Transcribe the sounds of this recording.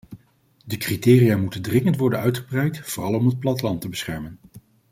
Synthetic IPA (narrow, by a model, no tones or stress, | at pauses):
dəkritɪːrijaːmutəndrɪŋəntʋɔɹdənœɥtχəbrɛjtfʊːrɑlˠɔmɦət̚plɑtlɑntəbəsχɛɹmən